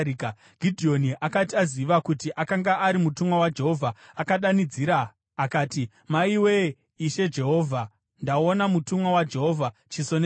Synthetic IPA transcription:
ka | ɡ̥ʱidʱio̞niʔakatiaziʋakutiʔakaŋɡaʔaɾimutumwawad͡ʒe̞ɦo̞vʱaakaɗanid͡ziɾaː | kaːti | maiwe̞ | iʃe̞d͡ʒe̞ɦo̞ːvʱa | ndao̞namutumwawad͡ʒe̞ɦo̞vʱat͡ʃisone

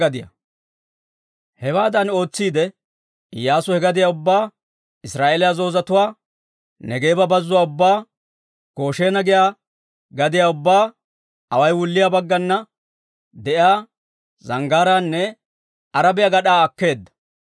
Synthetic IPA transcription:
ɐd̪ɪjɐ̰ | hɛwaːd̪ɐno̞ːt͡sːiːd̪ɛ | ɪjːaːsʊhɛɡɐd̪ɪjaːʊbːaː | ɪsɾaːʔeːlɪjazo̞ːzɐt̪ʊwaː | nɛɡe̞ːbɐbɐzːʊwaːʊbːaː | ɡ̥o̞ːʃe̞ːnɐɡɪjaː | ɡɐd̪ɪjaːʊbːaː | ɐwɐjwʊlːɪjabɐɡːɐnːɐ | d̪ɛʔjaː | zɐŋɡaːɾaːnːɛ | ɐɾɐbɪjɐɡɐɗaːɐkːe̞ːd̪ːɐ̥

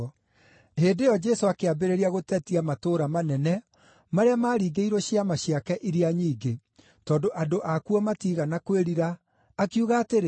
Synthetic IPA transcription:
heːdejɔd͡ʒɛsoakeabeɾeɾiaɣotɛtiamatoːɾamanɛnɛ | maɾeamaːɾiːɡeiɾɔɕiamaɕjakɛʔiɾiaɲiːɡe | tɔːndoʔadoʔakuɔmatiːɣanakweɾiɾaː | kiuɣaːteɾe

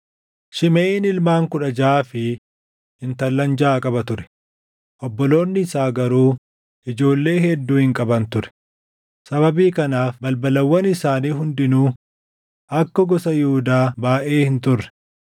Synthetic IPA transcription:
ʃɪmeːɪnɪlmaːŋkʊᶑɐd͡ʒaːfɪ | hɪnt̪ɐlːɐnd͡ʒaːkʼɐbɐt̪ʊɾɛ̥ | ʔɔbːɔlo̞ːnːɪsaːɡɐɾuː | ʔɪd͡ʒo̞ːlːe̞ːhɛd̪ːuːhɪŋkʼɐbɐnt̪ʊɾɛ̥ | sɐβɐbiːkɐnaːfbɐlbɐlɐwːɐnɪsaːniːɦʊnd̪ɪnuː | ʔɐkːɔɡɔsɐjʊhʊd̪aːbaːʔe̞ːhɪnt̪ʊrːɛ̥

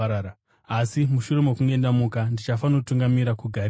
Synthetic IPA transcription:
aa | asimuʃure̞mokuŋɡe̞ndamukandit͡ʃafanotuŋɡamiɾakuɡʱar

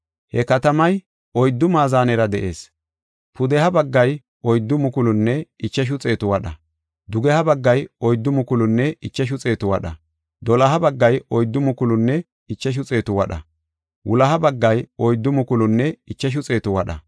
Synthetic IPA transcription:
hɛkɐt̪ɐmɐj | ɔjd̪ːʊmaːzaːnɛɾɐd̪ɛʔe̞̰ːs | pʊd̪ɛhɐbɐɡːɐj | ɔjd̪ːʊmʊkʊlʊnːɛɪt͡ʃːɐʃ̬ʊt͡sʼe̞ːt̪ʊwɐɗɐ | d̪ʊɡɛhɐbɐɡːɐjɔjd̪ːʊmʊkʊlʊnːɛɪt͡ʃːɐʃ̬ʊt͡sʼe̞ːt̪ʊwɐɗɐ̰ | d̪ɔlɐɦɐbɐɡːɐjɔjd̪ːʊmʊkʊlʊnːɛ | ɪt͡ʃːɐʃ̬ʊt͡sʼe̞ːt̪ʊwɐɗɐ | wʊlɐɦɐbɐɡːɐjɔjd̪ːʊmʊkʊlʊnːɛɪt͡ʃːɐʃ̬ʊt͡sʼe̞ːt̪ʊwɐɗɐ̰

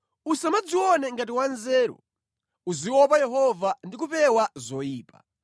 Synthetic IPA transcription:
usamad͡ziwɔnɛŋɡat̬iwanzɛːɾɔ̰ | uziwɔpajɛɦɔvandik̬upɛwazɔjiːpa̰

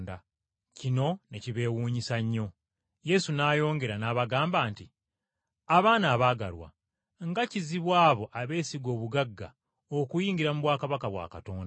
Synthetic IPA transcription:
nda | cino̞ne̞ciβe̞ːwuːɲisaɲːo̞ | je̞sunaːjo̞ːŋɡe̞ɾanaːβaɡaːmbaːnti | aβaːnaːβaːɡa̰lwa̰ | ŋɡaciziβwaːβo̞ʔaβe̞ːsiɡo̞ːβuɡaɡːa̰ | okujiːŋɡiɾamuβwaːkaβakaβwa̰ːkato̞̰ːnda

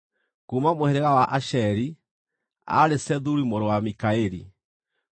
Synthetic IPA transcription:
kumamoheɾeɣawaʔaʃɛɾi | a̰ɾesɛðuɾimoɾowamikaeɾḭ

